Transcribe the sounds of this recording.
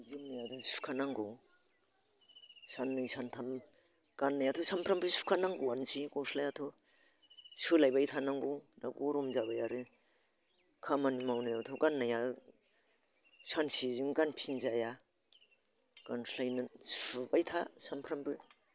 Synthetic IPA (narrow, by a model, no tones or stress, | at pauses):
zɯmnajadɔsu̥kʰanaŋɡɔw | sanːɯsantʰam | ɡ̥anːajatʰɔsampʰɾambʰɯsu̥kʰanaŋɡɔwansiɡɔsʰlajatʰɔ | sɯlajbajtʰanaŋɡɔwnaɡɔɾɔmzabajaɾɯ | kʰamanimawnajawtʰɔɡanːaja | sansiziŋɡanpʰinzaja | ɡ̥anpʰlajnɯsubajtʰasampʰɾampɯ